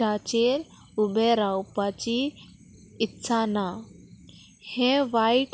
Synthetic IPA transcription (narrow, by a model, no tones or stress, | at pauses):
at͡ɕeɾ | ubeɾaupat͡ɕi | ɪtːsʰana | hẽʋaiʈ